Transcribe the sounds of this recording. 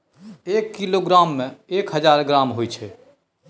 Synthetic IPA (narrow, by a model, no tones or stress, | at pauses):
ekːiloɡɾamːẽekɦəd͡ʒaːɾɡɾamɦojt͡ʃʰɛ